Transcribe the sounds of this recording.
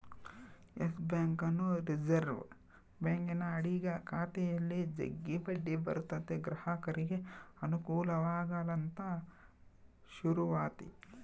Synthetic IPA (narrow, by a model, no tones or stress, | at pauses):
esbjaːŋkɐnːuɾid͡ʒɐɾʋ | beːŋkinɐːɽiɡɐkʰaːt̪ɛjɐlːid͡ʒɐ̰ɡːibɐɖːibɐ̰ɾut̪ːɐt̪eɡɾɐhɐkɐɾiɡeɐnukuːlɐʋaːɡalɐnt̪ɐ | ʃuɾuʋaːt̪ḭ